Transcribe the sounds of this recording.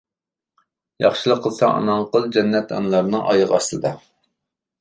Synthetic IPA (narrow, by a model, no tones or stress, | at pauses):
jɑχʃilˠəqʰːəlˠsɑʔɑ̰nɑŋqəlˠd͡ʒɛnːɛt̪ɑ̰nlˠɑɾnɨŋʔɑ̰jɨʁɑslˠɨd̪ɑ